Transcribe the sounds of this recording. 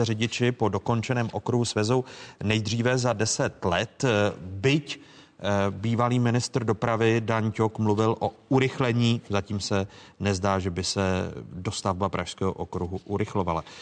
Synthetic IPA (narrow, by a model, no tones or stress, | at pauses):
ɛrɪɟɪt͡ʃɪpo̞do̞ko̞nt͡ʃɛnɛːmʔo̞kɾuɦusvɛzownɛjd̪r̝iːvɛzadɛsɛt̪lɛt̪bɪc | biːvaliːmɪnɪst̪r̩do̞pɾavɪdaɲcokmluvɪlʔo̞uɾɪxlɛɲiːzaciːmsɛnɛzdaːʒɛbɪsɛdo̞st̪avbapɾʔaʃskɛːɦo̰ʔokɾuɦuʔuɾɪxlo̞vala